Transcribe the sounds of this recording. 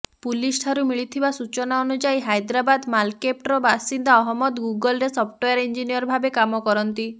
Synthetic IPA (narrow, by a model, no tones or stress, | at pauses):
pulisʈʰaɾumiɭit̪ʰibasut͡ʃɔnaɔnud͡ʒajɦajd̪ɾabad̪malkep̚ʈɾɔbasind̪aɔɦɔmɔd̪ɡuɡɔlɾesɔpʰʈojaɾind͡ʒinijɔɾbʱabekamɔkɔɾɔnt̪i